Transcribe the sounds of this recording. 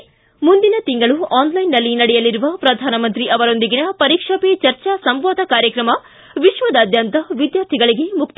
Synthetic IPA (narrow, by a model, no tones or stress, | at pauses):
mund̪inɐt̪iŋɡɐɭuʔaːnlɐjnːɐlːinɐɽɛjɐliɾuʋɐpɾɐd̪ʱaːnɐmɐnt̪ɾiʔɐʋɐɾo̞nd̪iɡinɐpɐɾikʂɐpet͡ʃɐɾt͡ʃasɐmʋaːd̪ʱɐkaːɾjɐkɾɐmɐ | ʋiʂʋɐd̪ɐːd̪ʱjɐnt̪ɐʋid̪jaːɾt̪ʰiɡɐɭiɡe̞muk̚t̪